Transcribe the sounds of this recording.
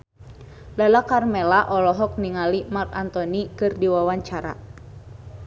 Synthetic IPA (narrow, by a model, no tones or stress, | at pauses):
lalakarmɛlaʔɔlɔɦɔk̚niŋalimart̪ant̪ɔnikɨrdiwawaɲt͡ʃaɾa̰